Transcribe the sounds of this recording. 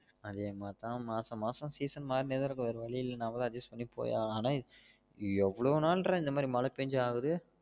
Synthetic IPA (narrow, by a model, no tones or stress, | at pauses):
ɐðeːmaːt̪ãːmaːsɐ̃maːsɐ̃ːsiːsɐnmaːɾneːðɐɾɯkːɯʋɐɾɯʋɐɭɪjɪlːɐnaːʋɐðɐ̃ɐd͡ʒɐsʈpɐɳːipo̰ːja̰ːaːnaː | ɛʋːɐɭɐʋnaːlɾãːɪnd̪ɐmaːd̪ɾimɐlɐpeɲd͡ʒɯaːɣɯðɯ